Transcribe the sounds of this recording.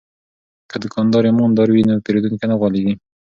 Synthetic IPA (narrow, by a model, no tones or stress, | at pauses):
kəd̪əkʰɑnd̪ɑɾemɑnd̪ɑɾwinopeɾed̪unkenaɣwɑleɡi